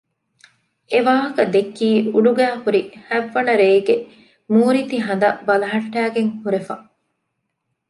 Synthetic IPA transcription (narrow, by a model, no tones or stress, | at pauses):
eʋaːɦɐkɐd̪ekːiːuɖuɡæːhuɾihæʋːɐnɐɾeiɡe | muːɾit̪iɦɐnd̪ɐbɐlɐɦɐʈːæːɡeŋhuɾefɐ